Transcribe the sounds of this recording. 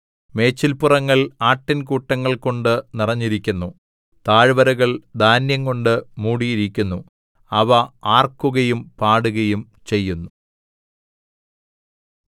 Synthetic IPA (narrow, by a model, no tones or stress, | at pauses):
me̞ːt͡ɕːilpurɐŋːɐɭaːʈːinkuʈːɐŋːɐɭko̞ɳɖɨnirɐɲːiɾikʲːunːu | t̪aːɻʋɐɾɐɣɐɭd̪aːnjɐŋko̞ɳɖɨmuːɽijiɾikʲːunːu | ɐʋɐaːrkuɣɐjumpaːɽuɣɐjum | t͡ɕe̞jːunːu